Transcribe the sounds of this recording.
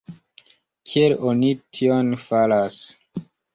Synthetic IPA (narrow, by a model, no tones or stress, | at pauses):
kʰielonitʰionfalas